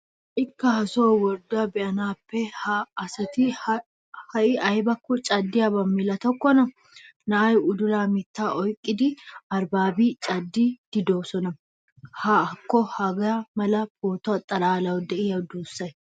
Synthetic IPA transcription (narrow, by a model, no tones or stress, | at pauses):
ʔɪkːɐhɐsoːwɔɾd̪ʊɐbɛʔɐnaːpːɛhaɐsɐt̪ɪ | hɐʔɪʔɐjbɐkːʊt͡ʃʼɐd̪ːɪjɐbɐmːɪlɐt̪ɔkːɔnɐ | nɐʔɐjʊd̪ʊlaːmɪt̪ːaːʔɔjkʼːɪd̪ɪɐɾbaːbiːt͡ʃʼɐd̪ːiːd̪̥ɪd̪o̞ːsɔnɐ | hakːɔhɐɡɐmɐlɐpoːt̪ɔɐt̪ʼːɐlaːlɐwɔd̪ɛʔɪjɐd̪uːsːɐj